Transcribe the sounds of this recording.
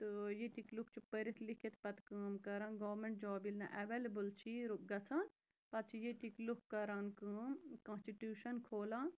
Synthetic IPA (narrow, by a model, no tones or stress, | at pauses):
t̪ɨjet̪ikluk̚t͡ʃʰipəɾit̪ʰlikʰit̪pɐt̪kəːmkɐɾãːnɡoːmeɳʈ̚d͡ʒoːbilnɐ̰ʔɐʋeːlɐbɨlt͡ʃʰiɾuk̚ɡɐt͡sʰãːn | pɐt̪̚t͡ʃʰijet̪iklukːɐɾaːnkəːmkɐ̃nsʈiʈjuːʃɐnkʰoːlãːn